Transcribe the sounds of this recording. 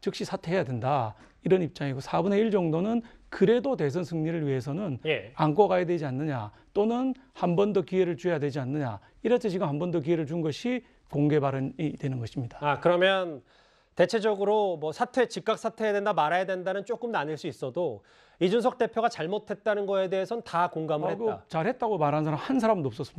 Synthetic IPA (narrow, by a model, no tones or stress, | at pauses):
t͡ɕɯk̚ɕ͈isʰatʰe̞ɦejadwe̞nda | iɾʌnip̚t͡ɕ͈aŋiɡosʰabunɦeiɭd͡ʑʌŋdonɯnkɯɾe̞dote̞sʰʌnsʰɯŋɲiɾɯɭɥiɦe̞s̬ʰʌnɯnjeaŋkʌɡajadwe̞d͡ʑianːɯɲa | t͈onɯnhambʌndʌkie̞ɾɯɭt͡ɕuɦejadwe̞d͡ʑianːɯɲa̰ | iɾʌt͡ɕʰet͡ɕiɡɯmhambʌndok̬ie̞ɾɯɭt͡ɕunɡʌɕʰi | koŋɡe̞baɾɯnidwe̞nɯnɡʌɕʰimɲid̥aakɯɾʌmjʌn | te̞t͡ɕʰe̞d͡ʑʌɡɯɾomʌsʰatʰwe̞t͡ɕik͈ak̚s͈ʰatʰejadendamaɾajadwe̞ndanɯnt͡ɕ͈ok͈ɯmnaɲɯɭs͈uis͈ʌdo | id͡ʑunsʰʌk̚t͈e̞pʰjoɡat͡ɕaɭmotʰe̞t̚t͈anɯnɡʌe̞de̞ɦesʰʌnɯntakoŋɡamɯɭheɡoat͡ɕaɭhe̞t̚t͈aɡomaɾɦanɯnsʰaɾamhans̬ʰaɾamɯnnop̚s͈ʌs͈ɯma